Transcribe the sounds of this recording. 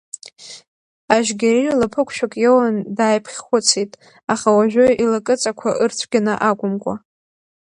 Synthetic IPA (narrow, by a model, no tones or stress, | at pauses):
aʒɡʲarilapʰɨkʷʰʃᶣakʼjowandaːjpʰχʲχʷʊt͡sʰitʼ | aχawaʒᶣoilakʼɨt͡sʼakʷʰaʔɨrt͡sʷʰɡʲanaʔakʷʼʊmkʷʼa̰